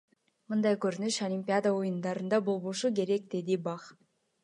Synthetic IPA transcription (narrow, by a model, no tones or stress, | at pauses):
mɯnd̪ɑjkøɾynyʃɐlʲimʲpʲiad̪əojund̪ɑɾɯnd̪ɑbo̞lˠβoʃuke̞ɾek̚d̪e̞d̪ibɑχ